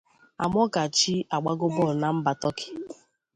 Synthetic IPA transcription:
a˨m˦ɔ˦ɡa˨t͡ʃi˦a˨ɡ͡ba˦ɡʊ˦bɔ˦˨na˨m̩˦ba˨tɔ˦kɪ̥˦

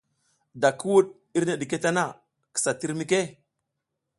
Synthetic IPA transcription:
da˨kʰə˦wu˦ɗ | i˦ɾne˨ɗi˨ke˦ta˦na˦˨ | kə̥˨sa˨ti˦ɾmi˦ke˦

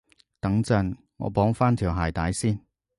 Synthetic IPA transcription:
t̪ɐ˨˥ŋt͡sɐ˧˥n | ŋɔ̰˨˧˥pɔː˨˥ŋfaː˥nt̪ʰiː˨˩wɦaː˨˩jt̪aː˨˥jsiː˥n

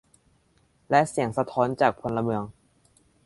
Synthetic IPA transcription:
lɛ˦˥ʔsi˩˦əŋsa˧t̪ʰɔː˦˥nt͡ɕaː˨˩k̚pʰo˧nla˧mɯ˧əŋ

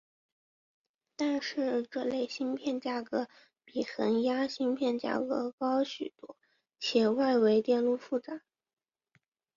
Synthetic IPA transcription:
t̪a˥˧nʂɻ̩˥˧ʈ͡ʂɤ˥˧le˥˩ɪɕi˥npʰjɛ˥˧nt͡ɕja˥˩kɤ˧˥ | pi˨˩xə˧˥nja˥ɕi˥npʰjɛ˥˧nt͡ɕja̰˥˩kɤ˧˥kɑ˥ʊɕy˨˩t̪u˥˩ | t͡ɕʰjɛ˨˩wa˥˧ɪwe˧˥ɪt̪jɛ˥˧nlu˥˧fu˥˩ʈ͡ʂa˨˩˦

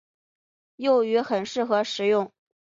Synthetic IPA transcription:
jo˥˩ʊy˧˥xə˨˩nʂɻ̩˥˩xɤ˧˥ʂɻ̩˨˩jʊ˥˩ŋ

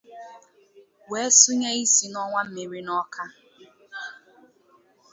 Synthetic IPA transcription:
we˨˦sʊ˦ɲe˦i˦si˨nɔ˦ŋʷa˦m̩˦me˨ɾi˦nɔ˦kʰa˦

